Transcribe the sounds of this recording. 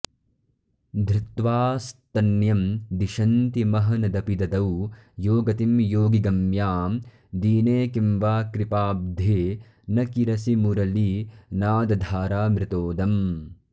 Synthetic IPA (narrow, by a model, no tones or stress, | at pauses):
d̪ʱɾɪt̪ʋaːst̪ɐnjɐmd̪iʃɐnt̪imɐɦɐnɐd̪ɐpid̪ɐd̪ɐwjoːɡɐt̪imjoːɡiɡɐmjaːm | d̪iːneːkimʋaːkɾipaːb̚d̪ʱeː | nɐkiɾɐsimuɾɐlinaːd̪ɐd̪ʱaːɾaːmɾɪt̪oːd̪ɐm